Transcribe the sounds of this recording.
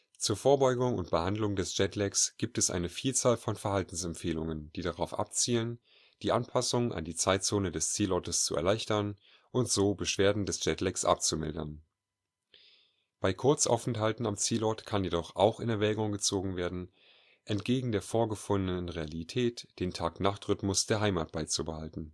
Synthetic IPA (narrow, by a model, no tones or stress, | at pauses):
t͡suːɐfoːɐbɔʏɡʊŋʊ̰ntb̥əhandlʊŋdɛsʒ̥ɛtlɛksɡ̥iːp̚tɛsʔa̰ɪnəfiːlt͡saːlfɔnfɛɐhaltn̩sɛmpfeːlʊŋənd̥iːdaʁaʊfʔa̰pt͡siːlən | d̥iːʔanpʰasʊŋʔa̰ndiːt͡saɪtt͡soːnədɛst͡siːlɔɐtəst͡sṵʔɛ̰ɐlaɪçtɐn | ʔʊntz̥oːbəʃv̥eːɐdn̩dɛsdd͡ʒ̥ɛtlɛksʔa̰p̚t͡sumɪ̰ldɐn | b̥aɪkʰʊɐt͡sʔa̰ʊfɛnthaltn̩amt͡siːlɔɐtkʰanjedɔχʔa̰ʊxɪnɛɐvɛːɡʊŋɡət͡soːɡŋ̩veːɐdn̩ | ʔɛntɡ̥eːɡŋ̩deːɐfoːɐɡəfʊndənənʁealitʰɛːtd̥eːntʰaːknaχtʁʏtmʊsd̥eːɐɦaɪma̰ːt̚b̥aɪt͡subəhaltn̩